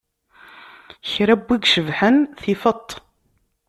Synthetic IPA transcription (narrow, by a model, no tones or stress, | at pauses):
çɾæbːiɡʃəvħənθifət̪ˤː